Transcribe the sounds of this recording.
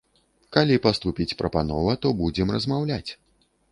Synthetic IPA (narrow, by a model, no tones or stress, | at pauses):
kalʲipast̪upʲit͡sʲpɾɐpanɔ̰vɐt̪ɔbud͡zʲɛmrɐzmawlʲat͡sʲ